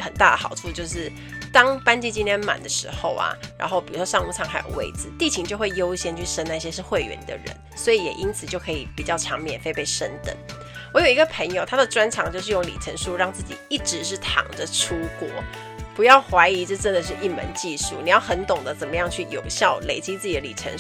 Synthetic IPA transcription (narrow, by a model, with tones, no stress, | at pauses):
xə˨˩nt̪a˥˩d̪ə̰˩xɑ˨˩ʊʈ͡ʂʰu˥˧t͡ɕjo˥˧ʊʂɻ̩˥˩ | t̪ɑ˥ŋpa˥nt͡ɕi˥˧t͡ɕi˥nt̪jɛ˥nma̰˨˩nd̪ə˦ʂɻ̩˧˥xo˥˧ʊa̰˩ɻa̰˧˥nxo˥˩ʊpi˨˩ɻu˧˥ʂwɔ˦ʂɑ˥˧ŋu˥˩t͡sʰɑ˥˩ŋxa˧˥ɪjo̰˨˩ʊwḛ˥˩ɪt͡sɹ̩˨˦t̪i˥˩t͡ɕʰi˧˦ŋt͡ɕjo˥˧ʊxwe˥˩ɪjo˥ʊɕjɛ˥nt͡ɕʰy˥˩ʂə˥na˥˩ɪɕjɛ˥ʂɻ̩˥˧xwe˥˩ɪɥɛ̰˧˥˦nḭ˨˩d̪ə̰˦ɻə̰˧˦nswɔ˧˥i˧˩jɛ̰˨˩ʔi˥nt͡sʰɨ˨˩t͡ɕjo˥˩ʊkʰɤ˧˥ḭ˨˩pi˨˩t͡ɕjɑ˥˩ʊt͡ɕʰjɑ˧˥ŋmjɛ˨˩nfe˥ɪpe˥˩ɪʂə˥nt̪ə̰˨˩ŋ | wɔ˧˥jo˨˩ʊi˧˦ɡə˧pʰə˧˥ŋjo˨˧ʊt̪ʰa˥d̪ə˨ʈ͡ʂwa˥nʈ͡ʂʰɑ˨˩ŋt͡ɕjo˥˧ʂɻ̩˥˧jʊ˥˩ŋlḭ˨˩ʈ͡ʂʰə̰˧˥nʂu˥ɻɑ˥˧ŋt͡sɹ̩˥˩t͡ɕḭ˨˩i˥˩ʈ͡ʂɻ̩˧˥ʂ̬ɻ̩˥˩t̪ʰɑ̰˨˩ŋdə˦ʈ͡ʂʰu˥kwɔ˧˥ | pu˨˧˥jɑ˥˩ʊxwa˧˥ɪi˧˥ʈ͡ʂɤ˥˧ʈ͡ʂə˥nd̪ə˨˩ʂ̬ɻ̩˥˧ʔi˥˩mə̰˧˦nt͡ɕi˥˧ʂu˥˩ni˨˩jɑ˥˩ʊxə˧˥nt̪ʊ˨˩ŋd̪ə˦t͡sə˨˩mə˦jɑ˥˧ŋt͡ɕʰy˥˩jo̰˨˩ʊɕjɑ˥˩ʊle˨˩ɪt͡ɕi˥t͡sɹ̩˥˩t͡ɕ̪ə˦lḭ˨˩ʈ͡ʂʰə̰˧˥n